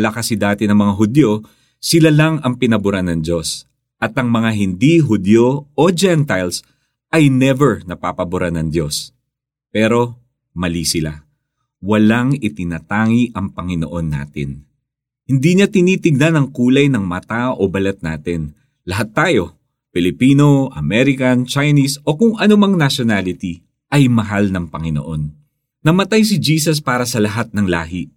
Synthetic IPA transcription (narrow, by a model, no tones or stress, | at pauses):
lakɐsɪd̪aːt̪ɪnɐŋmɐŋaɦʊd̪jo̞ | sɪlalaŋɐŋpɪnɐbʊɾanɐŋd̪o̞s | ʔɐt̪ɐŋmɐŋaɦɪnd̪iɦʊd̪joʔod͡ʒɛnt̪ajls | ʔɐjnɛvɛɹnɐpaːpɐbʊɾanɐŋd̪jo̞s | pɛːɾo̞ | mɐlisɪla | wɐlaŋɪt̪ɪnaːt̪aːŋiʔɐŋpɐŋɪno̰ʔo̞nːa̰ːt̪ɪ̰n | hɪnd̪iɲat̪ɪniːt̪ɪɡ̚nɐnɐŋkuːlɐjnɐŋmɐt̪aʔobɐlɛt̪̚na̰ːt̪ɪn | lɐɦat̪ːaːjo̞ | pɪlɪpiːno̞ʔɐmɛɾɪkɐnt͡ʃajnisʔo̞kʊŋʔɐnʊmaŋnɐʃonalɪt̪i | ʔɐjmɐɦalnɐŋpɐŋɪno̰ʔo̞nː | ɐmɐt̪ajs̬ɪd͡ʒiːsɐs̬paːɾɐsɐlɐɦat̪̚nɐŋla̰ːɦɪ